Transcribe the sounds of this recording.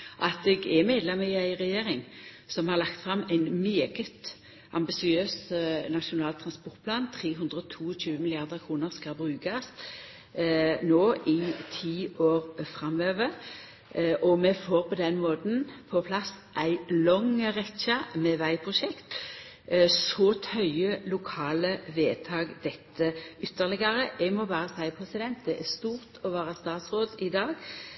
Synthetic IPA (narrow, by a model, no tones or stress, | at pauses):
ʔɑt̪ɛɡɛmeːd̪lɛməɪæɪʁɛjeːʁɪŋsɔmhɑʁlɑkt̪fʁɑmæɪnmyːɡət̪ | ɑmbɪsɪøːsnɑʃʊnɑːlt̪ʰɾɑnspɔʁt̪̚pʰlɑːnt̪ʰɾeːɦʉnd̪ʁəɔt̪ʰuːɔc͡çʉːəmɪlɪjɑʁd̪əʁkʰʁuːnəʁskɑlbʁʉːkɑs | noːʔɪt̪ʰiːʔoːʁfɾʁɑmʋøːʋə | ʔɔmɛfoːʁpʰɔd̪ɛnmoːt̪n̩pʰɔpʰlɑsʔæɪlɔŋʁɛçɑmɛʋæɪpʰʁʊʃɛkt̪ | sɔt̪hœʏəlʊkʰɑːləʋeːt̪ʰɑːɡd̪ɛt̪ʰːəʏt̪ːəʁlɪɡɑʁəʔɛɡmɔbɑːɾəsæɪpʰʁɛsɪd̪ɛnt̪̚d̪ɛʔæʁst̪uːʁt̪ʰɔʋæːʁəst̪ɑːt̪sʁoːd̪ɪd̪ɑːɡ